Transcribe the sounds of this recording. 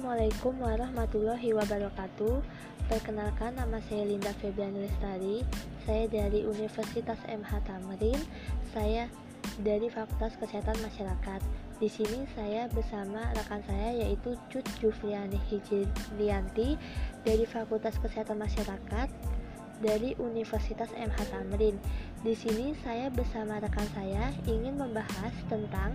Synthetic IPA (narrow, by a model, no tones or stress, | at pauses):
malajkumwaɾahmat̪ulɔɦiwabaɾɔkat̪u | p̪ərkənalkanːamasajalindafebɾanɛlɛst̪aɾisajadaɾiʔunifərsit̪asɛ̰mhat̪aməɾɪn | saja | daɾifakult̪askəseɦat̪anmaʃaɾakat̪̚ | disinisajabərsamaɾakansajajaʔit̪ut͡ʃʊt̪̚d͡ʒufɾianihid͡ʒiliant̪idaɾifakult̪askəseɦat̪anmaʃaɾakat̪̚ | daɾiʔunifərsit̪asɛ̰mhat̪amɾɪn | disinisajabərsamaɾakansajaiŋɪnməmbahast̪ənt̪aŋ